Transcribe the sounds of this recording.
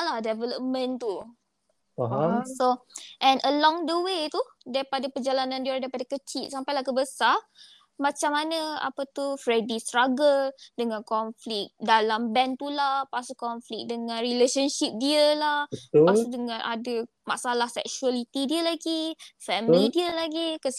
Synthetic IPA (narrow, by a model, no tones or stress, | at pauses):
lahdɛvɛləp̚mə̃nt̪u | ɦsoʔɛ̃nʔəlɔŋdəwet̪udaɾipadapərd͡ʒalanãndidaipadakət͡ʃiʔ̪̚sampajlahkəbəsar | mãt͡ʃamːanə̃a̰pət̪ufɾedist̪ɾaɡədəŋãnkɔnflik̚dalambɛnt̪ulahpasukɔnflik̚dəŋãnrileʃənʃip̚diəlahəasdəŋãnʔa̰də | ma̰ʔsalahsɛ̰k̚sualit̪idiəlaɡifɛmlidiəlaɡikəs